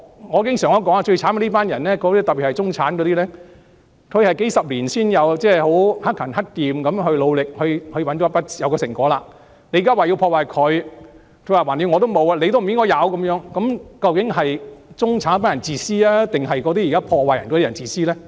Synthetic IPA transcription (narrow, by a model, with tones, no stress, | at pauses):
ŋɔː˨˧kɪ˥ŋsœː˨˩ŋɔ˥kɔː˨˥ŋaː˧t͡ʃɵ˧ɥt͡sʰaː˨˥nkɐ˧li˥paː˥njɐ˨˩nlɛː˥kɔ˨˧t̪iː˥t̪ɐ˨pːi˨thɐ˨jt͡sʊ˥ŋt͡sʰaː˨˥nk̬ɔː˨˧t̪iː˥lɛː˥ | kʰɵ˨˧ɥhɐ˨jke˨˥jsɐ˨p̚liː˨˩nsiː˥njɐ˨˧wt͡sɛː˥ho˨˥whɐ˥t̚kʰːɐ˨˩nhɐ˥t̚t̪iː˨mkɐ˨˧˥mɦɵ˧ɥlo˨˧wlɪ˨k̚hɵ˧ɥhɵ˧ɥwɐ˨˥nt͡ʃɔ˨˦˥pɐ˥t̚t͡sːjɐ˨˧wkɔː˧sɪ˨˩ŋkɔː˨˥laː˧ | ne˧˥jːkaː˥waː˨ji˧wpʰɔː˧waː˨jkʰɵ˨˧ɥ | kʰɵ˧wa˨˩waː˨˩njy˨˧ŋɔː˨˧t̪o˥wmo˨˧wa˧le˧jt̪o˥wm˨˩jɪ˥ŋkɔː˧˥jɐ˨˧wkɐ˨˦mjœː˨˥ŋkɐ˨˦˥mkɐ˧wkɪ˨˥ŋɦɐ˨jt͡sʊ˥ŋt͡sʰaː˨˥n˥paː˥n˨ɐ˨˩nt͡siː˨˩siː˥aː˥t̪ɪ˨ŋɦɐ˨jkɔ˨˧˥t̪iː˥ji˨kaː˥pʰɔː˧waː˨jɐ˨˩nkɔː˨˧t̪i˥ɐ˨˩nt͡siː˨˧siː˥lɛː˥